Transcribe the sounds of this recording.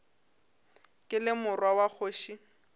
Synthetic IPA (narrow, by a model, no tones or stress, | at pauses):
kʼɪlɪmʊrwawak͡xʰoːʃi